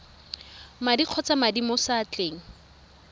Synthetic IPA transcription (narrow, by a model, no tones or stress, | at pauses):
madiq͡χʰɔt͡samadimɔsaːt͡ɬeːŋ̩